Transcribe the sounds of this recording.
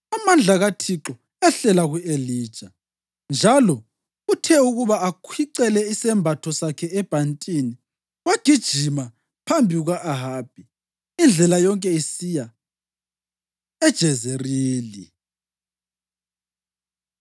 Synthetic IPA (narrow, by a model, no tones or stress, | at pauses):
amand͡ɮʱaɣatʰiǁɔ | ɛɬɛlaɣueliːd̥ʒ̥ʱa | nd͡ʒʱalɔ | utʰɛuɣuβaakʰwiǀɛlɛisɛmbʱatʰɔsakʰɛɛb̥ʱantʼini | waɡ̥ʱid̥ʒ̥ʱima | pʰambʱiuɣaʔaɦaːb̥ʱi | ind͡ɮʱɛlajɔŋkʼɛisiːja | ɛd̥ʒ̥ʱɛzeriːli